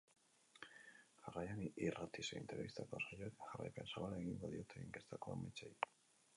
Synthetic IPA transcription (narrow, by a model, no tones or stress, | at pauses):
xarajaniʔirat̪iseḭnt̪eɾβist̪akosaʎokaxara̰jpḛnsaβalaɣiŋɡ̪oðjot̪ʰeeŋkest̪akoa̰mit͡ʃaj